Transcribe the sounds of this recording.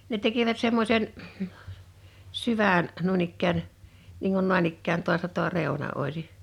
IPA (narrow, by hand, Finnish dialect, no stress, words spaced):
ne teki̞ʋæt semːosʲen syʋæˑn nuin ikːæːn niːŋ kun noˑɑn ikːæːn toɑstɑ toɑ reˑu̞nɑ ʔoˑisi